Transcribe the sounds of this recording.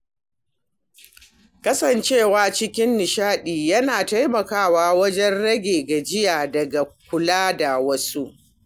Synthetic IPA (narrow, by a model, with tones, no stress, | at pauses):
kɐ˦sɐ˨nt͡ʃeː˦˨waː˦t͡ʃɪ˦kʲɪ˦nːɪ˨ʃaː˦ɗiː˨jɐ˦naː˨ta˦jmɐ˨kaː˦˨waː˦wɐ˦d͡ʒɛ˦nɽɐ˦ɡʲeː˨ɡa˨d͡ʒɪ˦jaː˨dɐ˨ɡa˨k̚ʷʊ˨laː˦da˨wɐ˦su˦ʔ